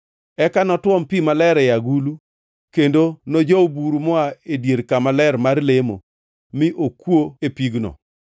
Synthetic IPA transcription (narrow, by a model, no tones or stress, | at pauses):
ɛkanɔtwɔmpimalɛɾɛjaɡulu | kendonod͡ʒɔobuɾumɔaedjeɾkamalɛɾmarlemo̰ | mɪʔokwoepiɡnɔ̰